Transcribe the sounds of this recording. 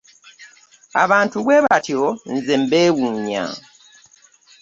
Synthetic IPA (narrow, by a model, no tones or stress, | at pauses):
a̰βaːntuβweːβation̩zembeːwuːɲa̰